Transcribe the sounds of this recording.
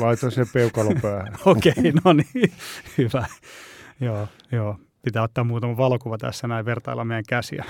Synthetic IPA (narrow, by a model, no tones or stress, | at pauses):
lɑit̪osepeukɑlopæːhæokeinonihyʋæ | joː | joː | pit̪æːot̪ːɑːmmuːt̪ɑmɑʋɑlokuʋɑt̪æ̰sːænæiʋʋert̪ɑilːɑmeijæŋkæsḭɑ̰